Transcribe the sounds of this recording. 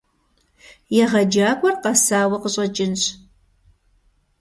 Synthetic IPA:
jɛʁɐd͡ʒaːkʷʼɔrqɑsaːwɐqəɕʼɐt͡ʃʼɪnɕ

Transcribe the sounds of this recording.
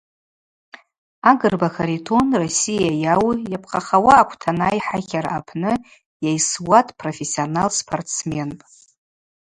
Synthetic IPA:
aɡɨrbakʰaɾitʰonrosijajawjapʰqʼaχawaːkʷʰtʰanajħakʲʰaɾa̰apʰnɨ | jajswatʼpʰrofesionalspʰartt͡sʰmenpʼ

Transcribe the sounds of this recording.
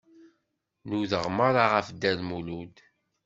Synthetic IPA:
nuðəʁməɾˤaʁəfd̪ælmulud̪

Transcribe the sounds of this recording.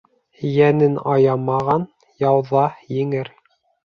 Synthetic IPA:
jænɘnɑjɑmɑʁɑn | jɑwðɑjɘ̆ŋɘɾ

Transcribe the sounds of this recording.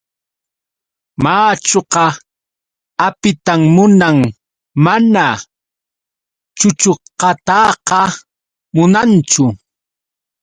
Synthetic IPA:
maːt͡ʃoqɑ | apɪt̪amːʊnaŋ | mana | t͡ʃʊt͡ʃoqɑt̪ɑqɑ | mʊnant͡ʃʊ

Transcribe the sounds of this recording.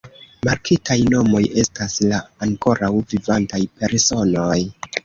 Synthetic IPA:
maɾkʰitʰajno̞mo̞je̞staslaːŋko̞ɾawvivantajpe̞ɾso̞no̞j

